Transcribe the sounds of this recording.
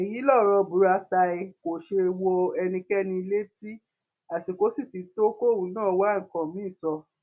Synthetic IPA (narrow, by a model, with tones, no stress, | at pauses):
e˨ji˨˦lɔ˦˨ɾɔ˧bu˨˦ɾa˧ta˧i˧ko˨ʃe˧wɔ˧ɛ˧nĩ˧kɛ˦nĩ˧i˧le˦ti˦ | a˨ti˨ko˨˦si˦˨ti˨˧˦to˦ko˦˨wũ˨˦nã˦˨˦wa˦ŋ̩˨kã˨mĩ˦˨sɔ˧